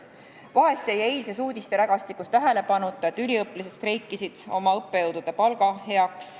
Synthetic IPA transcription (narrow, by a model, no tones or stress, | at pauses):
vɑɦe̞st̪iejæejlse̞suːd̪ist̪e̞ɾæɡ̥ɑst̪ikːˑust̪æɦele̞pɑnut̪ːˑɑet̪ːylʲiɤplise̞t̪st̪ɾe̞jkˑːisid̪̥o̞mɑɤpːe̞jɤwd̪̥ud̪̥e̞pɑlɡ̥ɑhe̞ɑks